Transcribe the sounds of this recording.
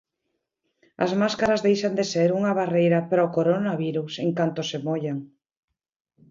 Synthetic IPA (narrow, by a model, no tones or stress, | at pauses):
a̰zmaskaɾazðejʃand̪eseɾuŋaβarejɾapɾaokoɾonaβiɾuseŋkant̪osemoʎaŋ